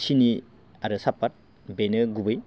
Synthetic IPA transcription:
sini | aɾɯsapːat̚ | benɯɡubɯj

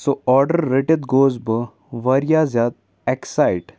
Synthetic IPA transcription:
soɔːɾɖəɾːeʈet̪ɡoːzbə | ʋɐɾijaːzad̪̚ | ɛksajʈ

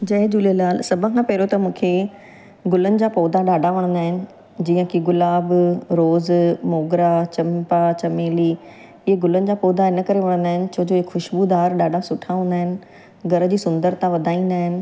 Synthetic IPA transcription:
d͡ʑɐɦed͡ʑuːliəlaːlsɐbʱə̃kʰãpɐːɾot̪ɐmũːkʰe | ɡʊlənɪ̆d͡ʑaːpoːd̪aɗaːɖʱaʋɐɽ̃nd̪aːɦɪnɪ̆ | d͡ʑiːə̃kiɡʊlaːbɾoːzmoːɡɾat͡ɕɐmpat͡ɕɐmeːli | ɪɦeɡʊlənɪ̆d͡ʑaːpoːd̪aɪnə̆kɐɾeʋɐɽ̃nd̪aːɦɪnɪ̆t͡ɕʰoɦd͡ʑoɦɪkxʊʃbud̪aːɾɗaːɖʱasʊʈʰaɦũːnd̪aːɦɪnɪ̆ | ɡɐɾə̆d͡ʑiːsʊ̃nd̪əɾt̪ãʋɐd̪ʱaːĩːnd̪aːɦɪnɪ̆

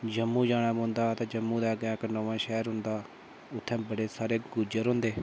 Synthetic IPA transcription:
d͡ʒəmːũːd͡ʒaːɽ̃aːmõːnd̪aːt̪ẽːd͡ʒəmːũːd̪aːɡãːknoːʋãːʃɛːɾɦʊ̃nd̪aː | ʊt̪ʰːɛ̃ːbəɽeːsaːɾeːɡʊd͡ʒəɾɦʊ̃ːnd̪eː

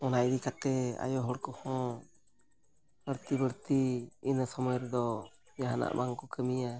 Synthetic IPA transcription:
ɔnaʔjd̪ikat̪ɛa̰jɔɦɔɽkɔhɔ̃ | bəɽt̪ibəɽt̪iːnəsɔmɔjɾɛd̪ɔ | jaɦana̰ʔbaŋkɔkəmija

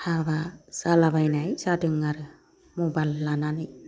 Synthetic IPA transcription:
habasalabajnajsadɯŋaɾɯ | mobalːananɯj

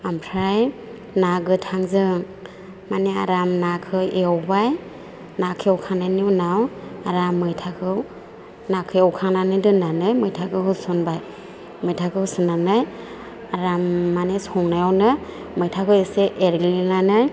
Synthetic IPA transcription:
ampʰɾaj | naɡɯtʰaŋzɯŋ | manea̰ɾamnakʰɯeɔwbaj | nakʰiɔwkʰaŋnaniwnawaɾamːɯjtʰakʰɯw | nakʰɯɔwkʰaŋnanɯdɯnanɯjmɯjtʰakʰɯhɯsɔnbaj | mɯjtʰakʰɯsɯnːanɯj | aɾamːanesɔŋnajawnɯ | mɯjtʰakʰɯweseʔeɾɡlinanɯj

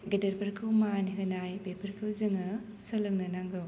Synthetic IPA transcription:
ɡedɐɾpɐɾkʰɯwmaniɦɯnajbepʰɐɾkʰɯwzɯŋɯ | sɐlɯŋnɐnaŋɡɯw

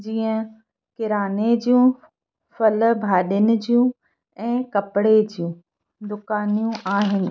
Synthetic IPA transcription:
d͡ʑiːə̃ | kɪɾaːned͡ʑijũ | fɐlbʱaːɗənɪ̆d͡ʑijũ | ɛ̃ːkɐpɪɽed͡ʑijũ | d̪ʊkaːnijũʔaːɦɪnɪ̆

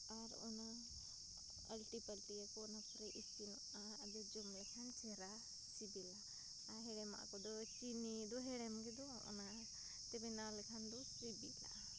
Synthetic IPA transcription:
aɾɔ̰na | a̰lʈipalʈiakɔnapɔɾɛʔisinɔ | aːd̪ɛd͡ʒɔmlɛkʰant͡ʃʰɛɾa | sibilaː | ɦɛɽɛma̰ʔkɔd̪ɔt͡ʃinid̪ɔɦɛɽɛmɡɛd̪ɔɾɔ̰na | t̪ɛbɛnalɛkʰand̪ɔ | ɾibila̰ʔ

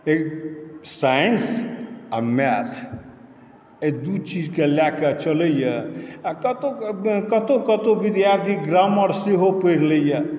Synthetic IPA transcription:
eksajənsamɛt̪ʰ | ed̪ut͡ʃid͡ʒkelaket͡ʃələjəkət̪okət̪okət̪obid̪jaɾt̪ʰiɡɾaməɾseɦopəɾləjə

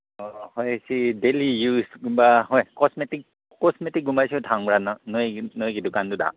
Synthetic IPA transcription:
ɔhɔjsidelijusɡumbaɦɔjkɔsmetik̚ | kɔsmetik̚ɡumbajsitʰaŋbɹannɔjnɔjkidukanduda̰

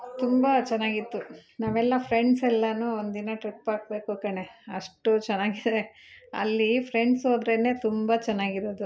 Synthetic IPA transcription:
t̪umbɐt͡ʃɛnːaːɡit̪ːunaːʋɛlːɐpʰɾeɳɖsɛlːɐnuːond̪inɐʈɾipːaːɡ̚be̞ːkukɐɳe̞ɐʂʈut͡ʃɛnːaːɡid̪e | ɐ̰lːipʰɾeɳɖsɦo̞ːd̪ɾene̞ːt̪umbɐt͡ʃɛnːaːɡiɾoːd̪u

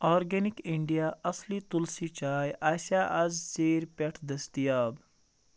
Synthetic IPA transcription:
ɔːɾɡenikiɳɖijaːʔɐslit̪ulsit͡ʃaːjʔaːsaʔɐzseːɾpʲɐʈʰd̪ɐst̪ijaːb

